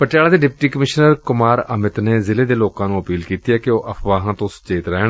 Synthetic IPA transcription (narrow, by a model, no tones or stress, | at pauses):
pəʈjaːlaːd̪eːɖɪpʈiːkəmɪʃnəɾkʊmaːɾəmɪt̪neːzɪleːd̪eːloːkãːnũːəpiːlkiːt̪iːɛːkɪoːʔəpʰʋaːɦãːt̪õːsə̥t͡ʃeːt̪ɾɛːɳ